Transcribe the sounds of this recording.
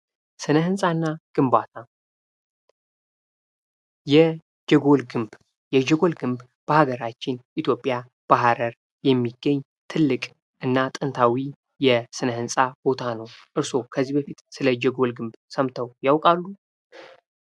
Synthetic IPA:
sɨnəhɨnsʼanːaɡ̥ɨmbat̪ʰa | jɛ | d͡ʒɛɡo̞lɡɨmb | jɛd͡ʒɛɡo̞lɡɨmb | b̥əhaɡəɾat͡ʃːɪnʔit̪ʰjo̞pʼja | b̥aɦaɾəɾ | jɛmːiɡəɲː | t̪ʰɨlːɨkʼ | ʔɨnːat̪ʼɨnt̪ʰawi | jɛsɨnəhɨnsʼab̥o̞t̪ʰanəwʔɨɾso̞kʰəzːibəfit̪sɨləd͡ʒɛɡo̞lɡɨmbsəmt̪ʰəwjawkʼalːu

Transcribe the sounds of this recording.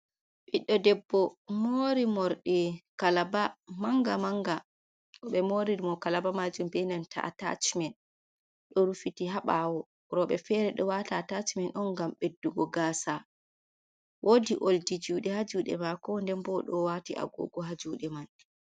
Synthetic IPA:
ɓiɗːɔdɛbːɔmoɾimɔɾɗikalabamaŋɡamaŋɡa | ɔɓɛmoɾiɾimɔkalabamad͡ʒumbɛnantʰa̰ta̰t͡ʃmɛn | ɗɔɾufitiɦaɓawɔ | ɾɔɓɛfɛɾɛɗɔwatatat͡ʃmɛnʔɔnɡamɓedːuɡɔɡaːsa | wʔodiʔoldid͡ʒuːɗɛhad͡ʒuɗɛ̰makɔndɛnbɔɗɔwatḭʔa̰ɡɔ̰ːɡɔɦad͡ʒuːɗɛman

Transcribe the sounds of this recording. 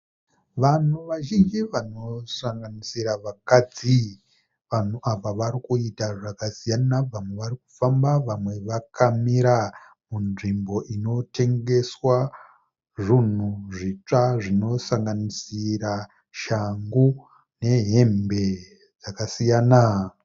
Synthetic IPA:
ʋan̤uʋaʒind͡ʒiʋano̞saŋɡanisiɾaʋakad͡zi | ʋan̤uʔaʋaʋaɾikuitaʐakasijanaʋamwe̞ʋaɾik̚u̥fambaʋamwe̞ʋakʰamiɾa | munʐimbo̞ʔino̞te̞ŋɡe̞swa | ʐun̤uʐit͡ʂaʐino̞saŋɡanisiɾa | ʃaŋɡu | ne̞ɦe̞mbe̞ | d͡zakasijaːna

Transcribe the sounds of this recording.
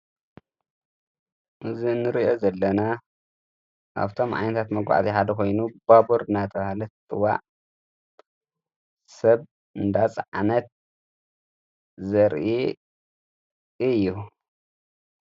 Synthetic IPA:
ʔɨzinːɨɾiʔo̞zɐlːɐna | ʔa̰βt̪ʰo̞mʕa̰jnɐt̪ʰat̪mɐɡʷa̰ʕt̪ʼiħad̪ɐkʰo̞jnubabuɾɨnat̪ʰɐβahlɐt̪t̪ʼɨwa̰ʔ | sɐβ | ɨnd̪at͡sʼʕnɐt̪̚ | zɐɾʔi | ɨjːu

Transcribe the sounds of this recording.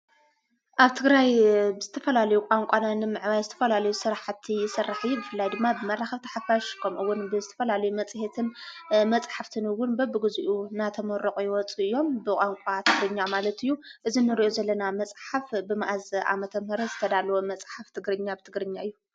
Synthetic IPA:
ʔaβt̪ʰɨɡɾajbɨz̥ɨt̪ʰɐfɐlalɐjukʼaŋkʷʼananɨmɨʕβajzɨt̪ʰɐ̥fɐlalɐjusɨɾaħat̪ʰːijɪsɨrːaħjubɨfɨlːajd̪ɨmːabɨmɐraxɐβt̪ʰɐ̥ħafaʃkʰomʔɨwːʊnbɨzɨt̪ʰɐfɐlalɐjumɐt͡sʼhet̪ʰɨnmɐt͡sʼħaft̪ʰɨnɨwːʊnbɐbɨɡɨzuʔunat̪ʰɐmɐɾoqʼujɪwɔt͡sʼuɨjːo̞mbɨkʼaŋkʷʼat̪ʰɨɡɾɨɲːamalɐt̪ɨjːuʔɨzinɨɾiʔo̞zɐlːɐnamɐt͡sʼħafbɨmaʔazʔa̰mɐt̪ʰɐmhɨɾɐzɨt̪ʰɐd̪alɐwomɐt͡sʼħaft̪ʰɨɡɾɨɲːabɨt̪ʰɨɡɾɨɲːaɨjːu

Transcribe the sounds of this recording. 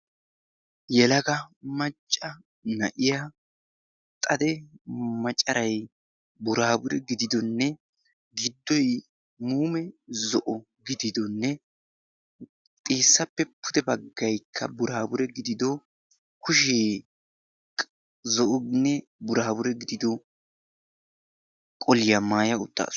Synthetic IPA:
jɛlɐɡɐmɐt͡ʃʼːɐ | nɐ̰ʔɪja | t̪ʼɐd̪ɛmɐt͡ʃʼːɐɾɐj | bʊɾaːbʊɾɛɡɪd̪ɪd̪ɔnːɛ | ɡɪd̪ːɔj | muːmɛzɔʔɔ | ɡɪd̪ɪd̪ɔnːɛ | t̪ʼeːsːɐpːɛpʰːʊd̪ɛbɐɡːɐjkʰːɐ̰bʊɾaːbʊɾɛɡɪd̪ɪd̪ɔ | kʊʃeː | zɔʔɔnːɛ | bʊɾaːbʊɾɛɡɪd̪ɪd̪ɔ | kʼɔlɪjɐmaːjɐʊt̪ːa̰ːs

